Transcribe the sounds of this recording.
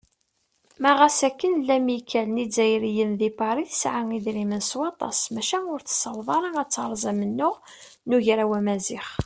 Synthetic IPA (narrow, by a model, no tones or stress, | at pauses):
mæʁæsækːənlːæmikʰːælnid͡zæjɾijənðipɑɾiθə̥sʕaŋiðɾimənswɑt̪ˤɑ̰smæʃæʊɾθsɑwðˤɑɾˤɑæt͡sːɑɾˤzˤæmənːʊʁ | nuʝɾæwæmæziχ